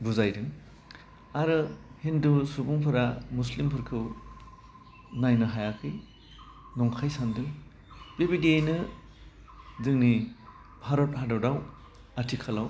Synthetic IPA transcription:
buzajdɯŋ | aɾɯhindusubɔŋpʰɯɾamuslimpʰɯɾkʰɯw | najnɯɦajakʰɯj | nɔŋkʰajsandɯŋ | bebidiejnɯ | zɯŋni | bʱaɾɔt̚hadawdaw | atʰikʰalaw

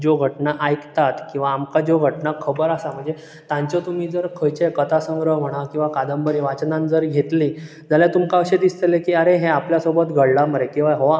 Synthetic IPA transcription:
d͡ʑoɡʱəʈnaʔajkt̪at̪kĩw̃ʋaːmkad͡ʑoɡʱəʈnakʰəbəɾasam̤əɳd͡ze | t̪ãɲt͡ɕɔt̪um̤iːd͡zəɾkʰəjt͡ɕekət̪ʰasə̃ŋɡɾəɦm̤əɽ̃akĩw̃ʋakad̪əmbəɾiʋat͡ɕnãnd͡zəɾɡʱet̪lĩ | d͡zaljat̪umkaəɕed̪ist̪elekiːəɾeɦeapljasobət̪ɡʱəɽlaməɾekĩw̃ʋaɦoa

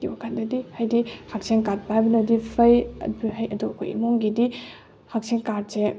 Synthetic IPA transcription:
ibɐkʰandɐdihajdihak̚seŋkat̚pajbɐnɐdipʰɐjɐ̰biɦɐjɐdukʰo̰jḭmoŋɡidi | hak̚seŋkad̚se

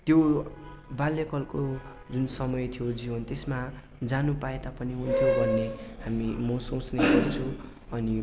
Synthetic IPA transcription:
t̪jo | balːekʌlko | d͡zunsʌmʌjt̪ʰijod͡zibʌnt̪esma | d͡zanupaet̪apʌniɦunt̪ʰjobʱʌnːeɦamimʌsõt͡sneɡʌrt͡sʰu | ʌni

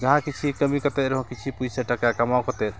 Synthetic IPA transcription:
d͡ʒəɦãkit͡ʃʰikəmikət̪ɛɾɦɔ̃kit͡ʃʰipusɛʈakakəmawkət̪ɛ

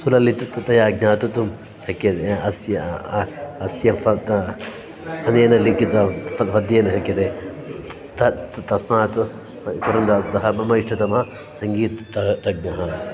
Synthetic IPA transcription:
sulɐlit̪ut̪t̪ɐjaːɡ̚naːt̪ut̪um | ʃʰɐkːet̪eɐsjɐ | ɐsjɐfɐt | ɐneːnɐlikit̪ɐɐʋɐd̪eːnɐsʰɐkːɐt̪e | t̪ɐt̪ɐsmaːt̪ɨ | t̪uɾɐnd̪ad̪ɐɦɐɐmɐiʂʈʰɐt̪ɐmɦɐ | sɐŋɡiːt̪ɐt̪ɐɡ̚nɐɦɐ

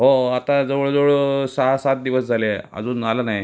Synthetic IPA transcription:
ɦoat̪ãd͡zəʋəɭd͡zoɭsasat̪̚d̪iʋəsd͡zʱaleə̰d͡zuːnalanaj

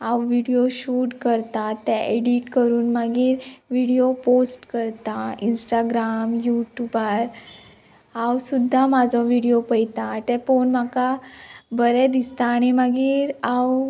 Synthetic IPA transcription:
awʋiɽijoɕuʈkəɾt̪at̪ːɛ̃ʔeɽiʈkəɾuːnmaɡiːɾʋiɽijoposʈkəɾt̪ainsʈaɡɾamjuʈjubaɾ | awsud̪ʱːamad͡zʱɔʋiɽijopəjt̪at̪ɛ̃fonmakabəɾɛd̪ist̪aːɽ̃imaɡiːɾaw

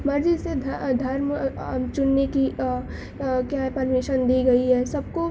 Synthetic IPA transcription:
mɐɾd͡ʒised̪d̪ʱɐɾmt͡ʃʊnːeki | kjapɐɾmiʃənd̪iɡɐiɦɛsɐb̚ko

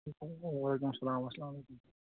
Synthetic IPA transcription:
ɐlek̬ʊmɐsɐlaːmɐslaːmɐlejkum

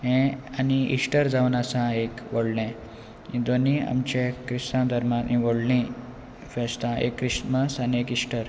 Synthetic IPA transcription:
ɦẽaniḭʂʈəɾd͡zaʋnasãekʋoɽlẽ | ĩd̪onia̰mt͡ɕẽkɾisãd̪ʱəɾmanĩʋoɽlĩ | fest̪ãḛkːɾisməsaniekiʂʈəɾ

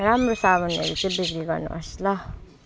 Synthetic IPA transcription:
ɾamɾosaβʌnʌ̰ɾut͡sʌ̃biɡɾiɡʌɾnṵʔʌ̰slʌ

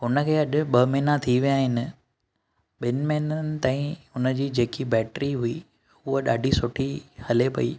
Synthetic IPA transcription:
ɦʊnə̆kʰeːɐʄʊ̆ɓɐmiːnat̪ʰiʋjaːɦɪnɪ̆ | ɓɪnmeːnənɪ̆t̪ãːĩʊnəd͡ʑiːd͡ʑeːkibɛːʈɾiɦʊi | ʊɦoɗaːɖʱisʊʈʰihɐlepɐ̰ḭː

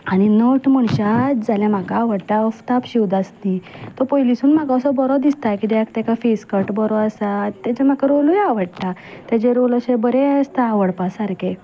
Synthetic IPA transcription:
aɽ̃inoʈm̤əɳɕad͡zaljãm̤akaʋəɽt̪aəft̪apɕiwd̪ast̪it̪ɔpɔjlisuːnm̤aɡasɔbɔɾɔd̪ist̪ajkid̪eak̚t̪akafeskəɾʈbɔɾɔəsat̪ːad͡ʑem̤akaɾolujaʋəɽt̪at̪jad͡ʑẽɾoləɕebəɾeəst̪aːʋəɽpasaɾke

